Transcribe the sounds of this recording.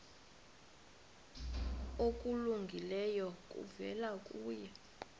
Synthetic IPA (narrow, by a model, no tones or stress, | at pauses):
okʼuluŋɡʱilɛjɔk̬ʼṵvɛ̰lakʼuːjɛ